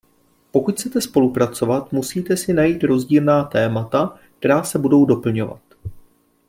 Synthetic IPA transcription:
po̞kuct͡sɛt̪ɛspo̞lupɾat͡so̞vat̪musiːt̪ɛsɪnajiːt̪ɾo̞zɟiːlnaːt̪ɛːmat̪ak̚t̪ɛɾaːsɛbudo̞wdo̞pl̩ɲo̞va̰t̪

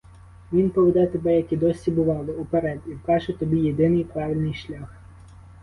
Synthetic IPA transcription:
ʋʲinpɔʋɪd̪ɛt̪ebɛjɐkʲid̪ɔsʲibʊʋɑlˠɪupeɾɛd̪ʲiwkɑʒet̪ɔbʲijed̪ɪnɪjpɾɑʋʲilʲnɪjʃlʲɑx

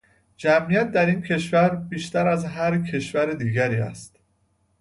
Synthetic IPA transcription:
d͡ʒæmijæt̪̚d̪æɾincʰe̞ʃvæɾbiːʃt̪æɾæzɦæɾcʰe̞ʃvæɾed̪iːɟæɾiːæ̰st̪

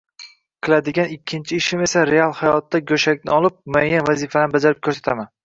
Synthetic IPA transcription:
qʰɨlad̪ɪɡʲanɪkʲʰːɪnt͡ʃʰɪɪʃɪme̞saɾealˠhajɒt̪ːaɡʲɵʃakʲnɪɒlˠɪp̚mʊajːanvazifalanɪbad͡ʒaɾɪp̚kʲʰɵɾsat̪ʰaman

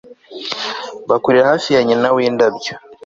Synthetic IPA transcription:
βakuɾiɾahaːfijaɲenaweːndabjo

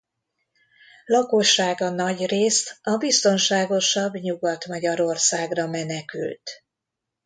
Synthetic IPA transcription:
lɒkoʃːaːɡɒnɒɟreːst̪ɒbist̪o̞nʃaːɡo̞ʃɒbːɲuɡɒt̪mɒɟɒɾo̞rsaːɡrɒmɛnɛky̰lt̪

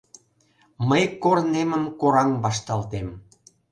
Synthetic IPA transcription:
məjkorneməmkoɾɑŋβɑʃt̪ɑlt̪em

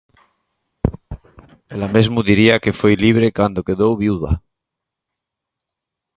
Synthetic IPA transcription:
elamezmuðiɾiakefojliβ̞ɾekand̪okeðowβiuða̰

